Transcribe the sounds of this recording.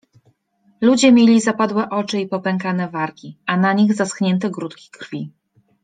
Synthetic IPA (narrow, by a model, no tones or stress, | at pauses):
lud͡ʑɛmʲjelʲizapad̪wɛʔɔt͡ʂɘipɔpɛŋkanɛvaɾkʲianaɲiɣzasxɲɛnt̪ɛɡɾut̪kʲi̥kɾfʲi